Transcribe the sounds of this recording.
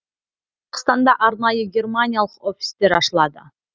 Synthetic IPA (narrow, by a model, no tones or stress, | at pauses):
qʰə̥st̪ɑnd̪ɑʔɑɾnɑjəɡʲe̞rmanʲijalˠəqo̞fʲi̥sd̪e̞ɾɑʃəlˠɑd̪ə̰